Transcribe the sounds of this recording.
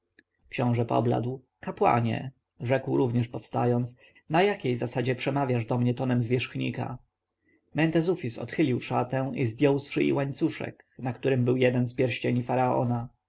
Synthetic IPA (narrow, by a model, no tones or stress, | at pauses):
kɕɔ̃w̃ʐɛpɔ̰bla̰d̪w | kapwa̰ɲɛ̰ | ʐɛkwɾuvɲɛʂpɔfst̪ajɔnt̪s | najakʲejzasad͡ʑɛpʂɛmavʲjaʐd̪ɔmɲɛt̪ɔnɛmzvʲjɛʂxɲḭka̰ | mɛnt̪ɛzufʲisɔ̰t̪xɘlʲiwʂat̪ɛ̃w̃izvʲjɔwsfʂɘʔḭwaɲt̪suʂɛ̰k | nakt̪uɾɘmbɘwjɛd̪ɛnspʲjɛɾɕt͡ɕeɲifaɾaɔ̰na